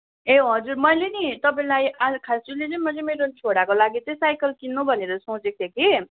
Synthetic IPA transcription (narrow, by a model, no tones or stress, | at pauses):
eɦʌd͡zurmʌjlenit̪ʌp̬aĩlajʔakʰast͡silet͡sʌĩmʌt͡sʌmeɾont͡sʰoɽakolaɡit͡sʌ̃j̃sajkʌlkinːobʱʌneɾʌsot͡sek̚t̪ʰeki